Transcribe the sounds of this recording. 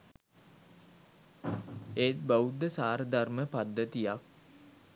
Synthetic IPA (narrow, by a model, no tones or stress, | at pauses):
eːt̪̚baud̪əsaːɾəd̪arməpad̪ːət̪ijak̚